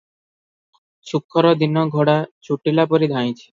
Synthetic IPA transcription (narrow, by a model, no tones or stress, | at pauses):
t͡ɕʰukʰːɔɾod̪inːoɡʱoɽat͡ɕʰuʈːilapoɾid̪ʱaj̃t͡ɕʰe̥